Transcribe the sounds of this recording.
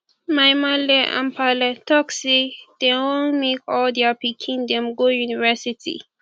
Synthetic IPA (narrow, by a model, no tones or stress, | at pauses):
majmalɛʔã̰mpʰalatɔksid̥ewõnmekɔldɛapikʰĩndɛ̃mɡojunivɛsitʰḭ